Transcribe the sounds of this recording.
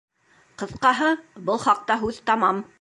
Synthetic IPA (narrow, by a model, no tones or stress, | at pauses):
qɤ̆θqɑɦɤbɤlˠχɑq̚t̪ɑɦʉðt̪ɑmɑm